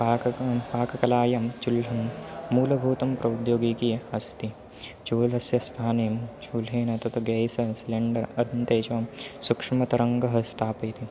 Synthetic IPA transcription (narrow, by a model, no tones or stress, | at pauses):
paːkɐpaːkɐkɐlaːjɐmt͡ʃulɐmːuːlɐbʱuːt̪ɐmpɾɐud̪joːɡiːkijeɐst̪i | t͡ʃuːlɦɐsjɐst̪ʰaːneɐmt͡ʃuːlɦeːnɐt̪ɐt̪ɐɡeːjsɐsileɳɖɐɾɐd̪nt̪eːt͡ʃʋɐmsukʂimɐt̪ɐɾɐŋɡɐɦɐst̪ʰaːpɐjt̪ʰi